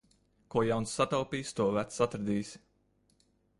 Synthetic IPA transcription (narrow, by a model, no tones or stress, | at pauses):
kuɔjawnsːat̪awpiːst̪uɔvæt̪sat̪ɾad̪iːsʲ